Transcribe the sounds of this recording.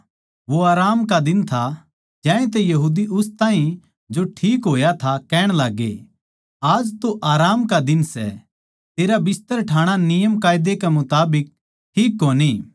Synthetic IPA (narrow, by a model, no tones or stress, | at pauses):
ʋoaːɾaːmkad̪ɪnt̪ʰa | d͡ʒɛ̃ːẽt̪̬ɛjɐɦuːd̪iʔʊst̪aːɦĩ | d͡ʒoʈʰiːkɦoːjat̪ʰakɛːɽ̃laːɡḛ | aːd͡ʒt̪oʔaːɾaːmkad̪ɪnsɛ̰ | t̪eːɾabɪst̪əɾʈʰaːɽ̃anɪjəmkaːɪd̪ekɛmʊt̪aːbɪk̚ | ʈʰiːkːoːni